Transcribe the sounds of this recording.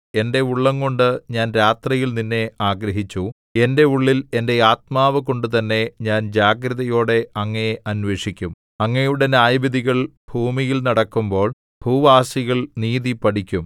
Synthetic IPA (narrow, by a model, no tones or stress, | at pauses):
e̞nde̞uɭːɐŋko̞ɳɖɨɲaːnɾaːt̪rijilninːe̞aːɡɾɐɦit͡ɕːu | e̞nde̞uɭːile̞nde̞aːt̪̚maːʋɐko̞ɳɖɨt̪ɐnːe̞ɲaːnd͡ʑaːɡɾɐðɐjo̞ːɽe̞ɐŋːɐeʔɐnʋe̞ːʂikʲːum | ɐŋːɐjuɽe̞naːjbiðiɣɐɭbʱuːmijilnɐɽɐkːumbo̞ːɭ | b̥ʱuːʋaːsiɣɐɭniːðipɐɽikʲːum